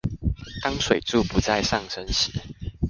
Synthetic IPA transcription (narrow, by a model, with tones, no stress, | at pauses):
t̪ɑ˦ŋʂwe˨˩ɪʈ͡ʂu˥˨pu˨˦t͡sa˥˨ɪʂɑ˥˨ŋʂə˦˥nɕi˨˦